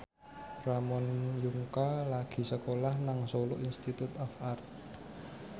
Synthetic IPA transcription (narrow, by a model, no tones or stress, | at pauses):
ramɔnjuŋkalaɡ̥i̤səkolahnaŋsolo̰ʔinst̪it̪ut̪ɔfart̪̚